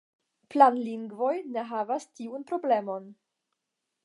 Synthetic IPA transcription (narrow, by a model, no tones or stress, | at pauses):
planliŋɡvo̞jne̞ɦavastiunpɾo̞ble̞mo̞n